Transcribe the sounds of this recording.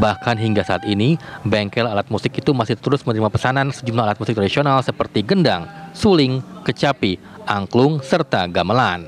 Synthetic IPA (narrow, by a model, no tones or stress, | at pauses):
bahkanɦiŋɡasaat̪inibɛŋkɛlalat̪̚musɪkit̪umasɪht̪əɾʊsmənəɾimapəsanansəd͡ʒumlaalat̪̚musɪk̚t̪ɾadisionalsəpərt̪iɡəndaŋsulɪŋkət͡ʃapi | ʔaŋklʊŋsərt̪aɡaməlan